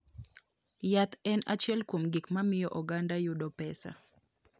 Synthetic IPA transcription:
jat̪ɛnat͡ʃjɛlkwomɡɪkmamɪjɔʔɔɡandajʊdɔpɛsa̰

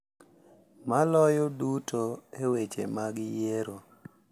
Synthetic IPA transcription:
malɔjɔdutoewet͡ʃḛmaɡɪjeɾo

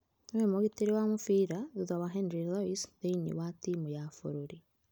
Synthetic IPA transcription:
nwemoɣiteɾewamofiːɾaðuðawaɦɛndɾilɔisðeiɲḭwatimujafo̰ɾoɾi

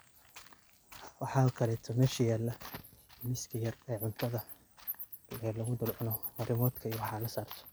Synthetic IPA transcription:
wɑħɑːʊkʰɐlɛːt̪ʰɔmɛːʃɐjaːlːɐ | mɪskʰɐjɐrɛːʕʊnt̪ʰɐðɐ | lɛlɐɣʊd̪ʊlʕʊnɔmɐɾʔɪmɔːd̪kʰɐijwɑħɑːlɐsaːrt̪ʰɔ̥

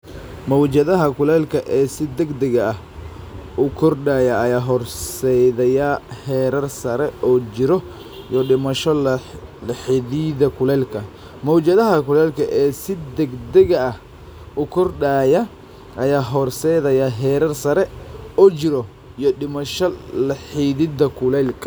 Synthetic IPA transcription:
mɔwt͡ʃɐðɐɦɐkʰʊlɛːlkʰɐʔɛːsɪd̪ɐɡd̪ɛɣɐɐh | ʊkʰɔrɖaːjɐɐjaːɦɔrsɛjðɐjɐhɛːɾɐrsɐɾɛɔːt͡ʃɪɾɔ | jɔɗɪmɐʃɔlɐħɪðiːðɐkʰʊlɛːlkʰɐ | mɔwt͡ʃɐðɐɦɐkʰʊlɛːlkʰɐʔɛːsɪd̪ɛɡd̪ɛɣɐɐh | ʔʊkʰɔrɖaːjɐ | ʔɐjaːɦɔrsɛjðɐjaɦɛːɾɐrsɐɾɛɔːt͡ʃɪɾɔ | ijɔɗɪmɐʃɔlɐħiːðɪðɐkʰʊlɛlkʰɐ

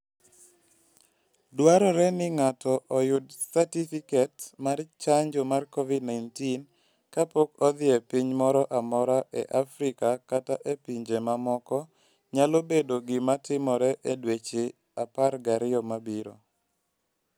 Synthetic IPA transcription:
dwaɾɔɾɛnɪŋatɔʔɔjʊdsatifikɛtmart͡ʃaɲd͡ʒɔmarkɔvidnajntin | kapokɔd̪ɪɛpiɲmɔɾɔʔamɔɾaʔḛʔafɾikakataʔepiɲd͡ʒemamɔkɔ | ɲalobedoɡɪmatɪmɔɾɛʔedwet͡ʃe | aparɡaɾɪɔmabiɾo̰

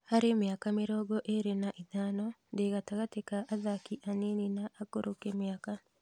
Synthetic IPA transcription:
haɾemjakameɾɔːɡɔʔeɾenaʔiðaːnɔndeɣataɣatekaʔaðakiʔanininaʔːkoɾokemjaːka

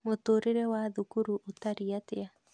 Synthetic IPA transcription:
motoɾeɾɛwaðukuɾuʔotaɾiatea

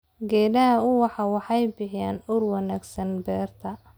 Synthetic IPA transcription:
ɡɛːdɐɦɐʊwɑħɑwɑħɑjbɪħjaːnʊrwɑnæːɡsɐnbɛːrt̪ʰɐ

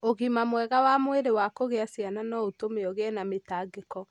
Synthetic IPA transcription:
oɣimamwɛɣawamweɾewakoɣeasiananɔotomeɔɣeɛnametaːɡekɔ

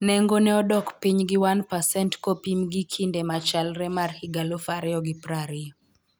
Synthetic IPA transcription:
nɛŋɡonɛɔdɔkpiɲɡiwanpasɛntkopimɡikʰindemat͡ʃalɾɛmarhiɡalofaɾɪɔɡipɾaɾɪɔ

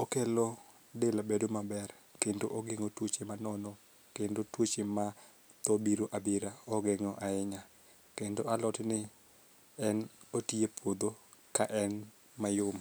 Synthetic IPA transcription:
okelɔ | delabedomabɛr | kendoʔoɡɪŋotwot͡ʃemanɔnɔ | kendotwot͡ʃema | t̪ɔbiɾoʔabiɾaɔɡɪŋɔʔaɪɲa | kendoalɔtnɪ | ɛnotiepʰwod̪okaʔɛn | majʊm

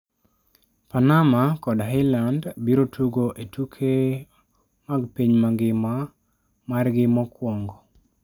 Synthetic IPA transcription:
panamakɔdaɦɪlandbiɾotʰuɡoʔetʰukʰe | maɡpiɲmaɡɪma | marɡɪmɔkwɔŋɡɔ

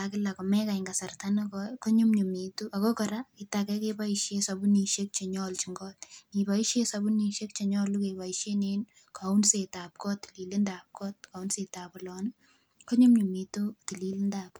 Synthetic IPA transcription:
akɪlakomɛkaiŋɡasartanəkɔjkoɲumɲumituʔakokɔɾakitakɛkepaiʃesabuniʃek̚t͡ʃeɲɔlt͡ʃiŋɡɔtnipaiʃjesabuniʃek̚t͡ʃeɲɔlːukebaiʃjenen | kaunsetaːp̚kɔt̪ːi̥lilindaːp̚kɔt̚kaunsetaːpɔlɔn | koɲumɲumitutililindap̚

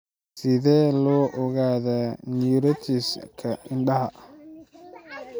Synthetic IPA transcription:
sɪðɛːlɔːʔɔɣaːðaːniɾɐt̪ʰiːskʰɐɪnɖɐɦɐ

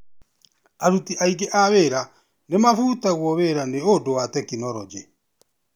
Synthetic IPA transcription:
aɾutiʔaiɡeʔaβeɾa | nemafuːtaɣwɔβeɾaneodowatɛkinɔɾɔd͡ʒe

